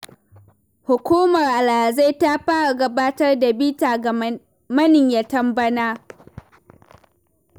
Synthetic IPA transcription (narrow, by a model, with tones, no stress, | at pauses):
hʊ˨kʷuː˦mɐ˨rʔa˨la˨a˨ze˦jta˦ɸaː˦ɽa˨ɡɐ˦baː˦tɐ˦rda˨bi˦taː˨ | mɐ˦nɪ˨ɲja˨tɐ˦mbɐ˦naː˦